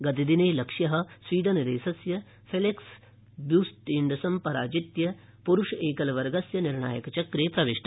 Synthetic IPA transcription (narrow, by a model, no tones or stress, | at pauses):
ɡɐt̪id̪ineːlɐkʂjɐɦɐ̆sʋiːɖɐnɐd̪eːsɐsjɐ | pʰeleks | bjuːst̪iɳɖɐsɐmpɐɾaːd͡ʒit̪jɐ | puɾuʂɐeːkɐlɐʋɐɾɡɐsjɐniɾɳa̰ːjɐkɐt͡ʃɐkɾeːpɾɐʋeʂʈɐ